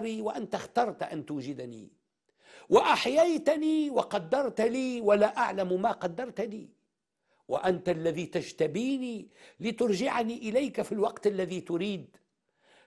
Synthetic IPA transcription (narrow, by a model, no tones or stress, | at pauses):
ɾiːwaʔant̪axt̪ɑɾˤt̪ʔa̰nt̪uːd͡ʒɪd̪anḭː | waʔaħjajt̪aniːwɪqɑd̪ːɑɾˤt̪liːwalaʔaʕlammaqɑd̪ːɑɾˤt̪aniː | wa̰ʔant̪alːaðit̪aʒt̪abiːnilɪt̪ʊɾʒɪʕaniʔɪlajkafilwɑqt̪ʔalːaðit̪ʊɾiːd̪